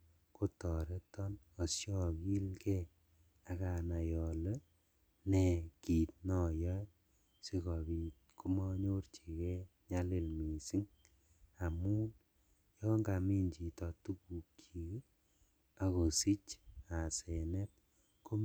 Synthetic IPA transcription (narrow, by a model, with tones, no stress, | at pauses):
ko˦tɔ˨ɾe˦tɔ˦n | o˨sjɔ˦ki˦lkɛ˦ | a˨ka˨na˨jɔ˨le˦ | ne˨ki˨t̚nɔ˨jɔ˦j | se˦kɔ˨bi˨t | kʰu˦mɔ˦ɲo˦rt͡ʃe˨kɛ˦ɲa˦le˨lmi˨si˦ŋ | a˨mu˦n | jɔ˦ŋɡa˨mi˦ɲt͡ʃi˨tɔ˨tu˦ku˨kʰːi˨k | a˨ko˨si˦t͡ʃa˨sɛ˨nɛ˦t | ko˦m